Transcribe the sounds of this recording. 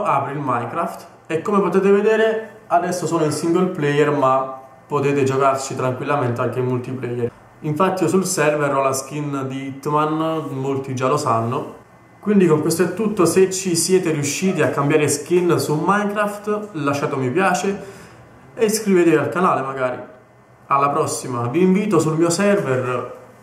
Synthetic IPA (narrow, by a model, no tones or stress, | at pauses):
aːpɾiilmajŋkɾaft̪ | ekːomepot̪eːt̪̬eved̪eːɾe | ad̪ɛsːosoːnoilsiŋɡolplɛjermapːot̪eːt̪ed͡ʒokart͡ʃit̪ɾaŋkwilːament̪eaŋk̟emult̪iplɛjːeɾ | iɱfat̪ːiosulsɛrvɛrɔlask̟ind̪it̪ːmanmolt̪id͡ʒalosanːo | kwind̪ikoŋkwest̪oɛt̪ːut̪ːoset͡ʃːisjɛːt̪eɾiuʃːiːt̪iakːambjaːɾeskinsumajŋkɾaft̪laʃːaːt̪omipjaːt͡ʃe | eskɾivet̪ealkanaːlemaɡaːɾḭ | alːapɾɔsːimaviːɱviːt̪osulmiːosɛrver